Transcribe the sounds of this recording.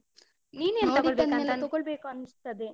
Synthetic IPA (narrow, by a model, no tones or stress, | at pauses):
niːneːnt̪ɔoɭbeːkaant̪ɔɡoɭbeːkuɐnust̪ɐd̪e